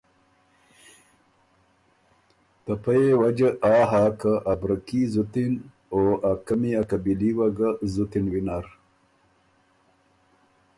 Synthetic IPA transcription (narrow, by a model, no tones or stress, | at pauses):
t̪apajewad͡ʒəaːɦaːkəʔabɾəkizut̪in | oʔakamiakabiliwaɡazut̪inwinaɾ